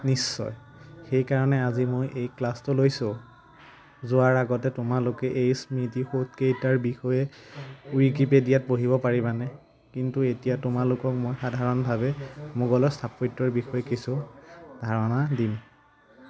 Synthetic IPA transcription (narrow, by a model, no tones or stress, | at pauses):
nisːɔ̰j | xejkaɹɔnɛazimojʔejklastʊlojso | zʊwaɹaɡɔtɛtʊmalʊkɛʔejsmitixot̚kejtaɹbixɔjɛujikipedijat̚poɦibɔpaɹibanɛ | kintuetijatʊmalʊkɔk̚mojxadʱaɹɔnbʱabɛmʊɡɔlɔstʰapojtːɔɹbixɔjɛkisudʱaɹɔnadim